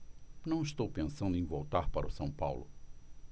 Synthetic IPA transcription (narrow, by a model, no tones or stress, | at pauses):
nɐ̃w̃ist̪owpẽsɐ̃nd̪ʊẽj̃vowt̪aɾpaɾɐʊsɐ̃w̃pawlʊ